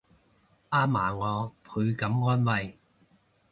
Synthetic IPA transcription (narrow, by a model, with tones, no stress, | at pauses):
ʔaː˥maː˨˩ŋɔː˨˧pʰɵ˨˧ɥkɐ˨˥mŋɔː˥nwɐ˨˧j